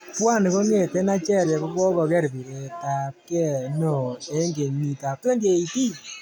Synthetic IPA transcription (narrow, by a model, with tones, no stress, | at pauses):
pwa˦˨ni˨ko˦ŋe˨te˦na˦t͡ʃɛ˦˨ɾja˨ko˦kwɔ˦kɔ˧kɛ˦ɾbi˨ɾe˨ta˨p̚kɛ˦˨nɔ˨e˦ŋɡe˨ni˨ta˨p̚twe˦ndje˨i˨ti˦